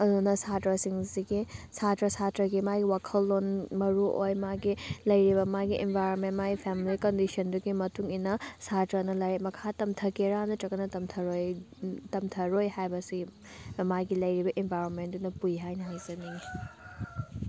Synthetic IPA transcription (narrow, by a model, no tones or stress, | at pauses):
ɐdunɐsatɾɐsiŋziɡisatɾɐsatɾɐɡimaɡiwakʰɐlːonmɐɾuʔo̰jmaɡilɐjɾibɐmaɡiʔenbʱajɾonmentmaɡipʰemilikɐndisɐnduɡimɐtuŋinɐsatɾɐnɐlɐɾet̚mɐkʰatɐmtʰɐkeɾanɐtɐkːɐnɐtɐmtʰɐɾojtɐmtʰɐɾojɦajbɐsi | majɡilɐjɾibɐʔenbʱajɾonmentdunɐpujɦajnɐɦajzɐniɡi